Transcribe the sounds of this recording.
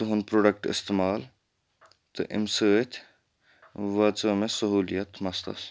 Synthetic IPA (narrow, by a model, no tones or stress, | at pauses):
t̪ɨɦʊnpɾoːɖɐkʈɪ̰st̪emaːl | t̪ɨ̰ʔɪ̰msəːt̪ʰʲ | ʋɐt͡səmẽsɐɦuːlijɐt̪mɐst̪ɐ̰s